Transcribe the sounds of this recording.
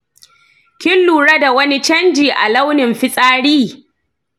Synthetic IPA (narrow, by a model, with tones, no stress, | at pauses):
kʲɪ˦lːuː˨ɽa˦da˨wɐ˦ni˦t͡ʃɐ˦nd͡ʒiː˨ʔa̰˨lɐ˦wnɪ˨mɸɪ˦sʼaː˦ɽiː˦